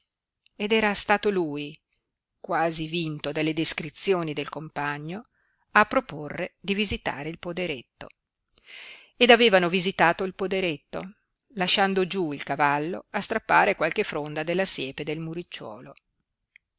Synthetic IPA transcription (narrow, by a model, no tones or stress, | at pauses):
ed̪ɛːɾast̪aːt̪oluːj | kwaːzivint̪od̪elːed̪eskɾit̪sːjoːnid̪elkompaɲːo | apːɾoporːed̪ivizit̪a̰ːɾeilpod̪eɾet̪ːo̰ | ed̪aveːvanovizit̪aːt̪oilpod̪eɾet̪ːo̰ | laʃːand̪od͡ʒuilkavalːoast̪ɾapːaːɾekwalkefɾond̪ad̪elːasjɛːped̪elmuɾit͡ʃːwɔ̰ːlo